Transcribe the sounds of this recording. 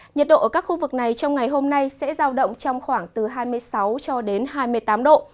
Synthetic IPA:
ɲə˨˩t̚ɗo̰˧˨ʔəː˩kaː˦˥k̚xu˧vɨ˨˩k̚na˨˩jt͡ɕɔ˧wŋ͡mŋa˨˩jɦo˧mna˧jsɛ̰˧˥zaː˧wɗə̰˧˨wŋ͡mt͡ɕɔ˧wŋ͡mxwaː˧˩ŋt̪ɨ˨˩ɦaː˧jmɨ˧əjsa˨˦wt͡ɕɔ˧ɗe˨˦nɦaː˧jmɨ˧əjt̪aː˨˦mɗo̰˧˨

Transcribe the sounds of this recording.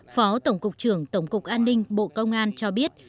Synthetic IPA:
fɔ˨˦t̪ə˧˩wŋ͡mkʊ˨˩k͡p̚t͡ɕɨ˧˩əŋt̪ə˧˩wŋ͡mkʊ˨˩k͡p̚ʔaː˧nːï˧ŋ̟ɓo̰˧˨kə˧wŋ͡mʔaː˧nt͡ɕɔ˧ɓi˦˥ət̚

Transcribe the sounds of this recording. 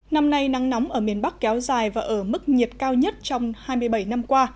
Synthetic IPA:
na˧mna˧jna˨˦ŋnɔ˨˦wŋ͡mʔəː˧˩mi˨˩ənɓa˦˥k̚kɛ˨˦wzaː˨˩jvaː˨˩ʔəː˧˩mɨ˦˥k̚ɲi˨˩ət̚kaː˧wɲə˦˥t̚t͡ɕɔ˧wŋ͡mhaː˧jmɨ˧əjɓə˧˩jna˧mkwaː˧

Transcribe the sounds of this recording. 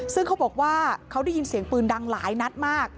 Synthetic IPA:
sɯ˥˩ŋkʰa˦˥wbɔː˨˩k̚waː˥˩kʰa˦˥wda˥˩jːi˧nsi˨˩˦əŋpɯː˨˩nda˧ŋlaː˩˦jna˦˥t̪̚maː˥˩k̚

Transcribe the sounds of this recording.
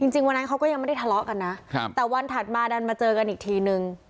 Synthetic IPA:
t͡ɕi˧ŋt͡ɕi˧ŋwa˧nːa˦˥kʰa˦˥wkɔː˥˩ja˧ŋma˥˩da˥˩tʰa˧lɔ˦˥ʔka˧nːa˦˥ʔʰt̪ɛː˨˩wa˧nt̪ʰa˨˩t̪̚maː˧da˧nmaː˧t͡ɕɤː˧ka˧nʔiː˨˩k̚t̪ʰiː˧nɯ˧ŋ

